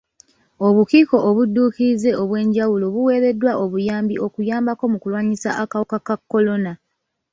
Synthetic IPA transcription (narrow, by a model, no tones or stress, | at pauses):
o̞βukiːko̞ʔːβudːuːkiize̞oβwe̞ːɲɟawulo̞βuwe̞ːɾe̞dːwaʔo̞βujaːmbiʔo̞kujaːmbako̞mukulwaːɲisa̰ʔakawokakakːo̞lo̞na